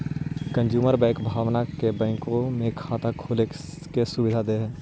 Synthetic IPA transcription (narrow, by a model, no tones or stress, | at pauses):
kə̃nd͡ʒjuːməɾbɛ̃ːkbʱaːʋnakebɛ̃ːkõmẽkʰaːt̪akʰoːlekesʊbɪd̪ʱad̪eɦɛ̃ː